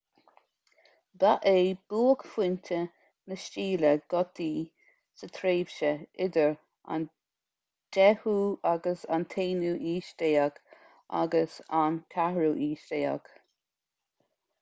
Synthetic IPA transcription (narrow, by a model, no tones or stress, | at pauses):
baʔeːb̥uːəɡ̥fwɪntʰə | nəʃt͡ʃiːləɡ̥ɔt̪iː | sət̪ʰɾeːv̥ʃəɪd̪əɹ | a̰n | dɛhuːaɡəsa̰nt̪ʰeːnuːʔiːʃt̪eːaɡ | a̰ɡəsankʰahɹuʔiːʃt̪eːa̰ɡ̥